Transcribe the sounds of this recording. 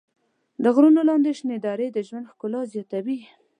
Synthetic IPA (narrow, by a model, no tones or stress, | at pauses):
d̪əɣɾunolɑnd̪eʃned̪ɑɾed̪əʒwand̪xkʊlɑzjɑt̪awi